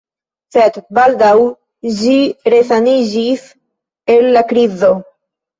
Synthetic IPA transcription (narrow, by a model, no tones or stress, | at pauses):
set̪bald̪aw | d͡ʒiɾeθaniʒis | elːakɾizo